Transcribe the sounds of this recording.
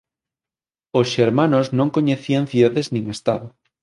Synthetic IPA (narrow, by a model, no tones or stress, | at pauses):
osʃeɾmanoznõŋkoɲeθiaŋθjuðaðeznĩŋest̪aðo